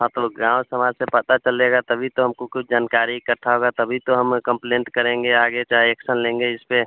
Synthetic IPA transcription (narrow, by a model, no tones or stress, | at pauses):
ɦãt̪oɡãːwsəmaːd͡ʒsepət̪at͡ʃəleːɡat̪əbʱit̪oɦɐmkokʊt͡ʃʰd͡ʒaːnkaːɾikəɾt̪ʰaɦoɡat̪ɐbʱit̪oɦəmkə̃mplẽːɳʈkəɾẽːŋɡeaːɡet͡ʃaːɦeːksənlẽːŋɡeɪspe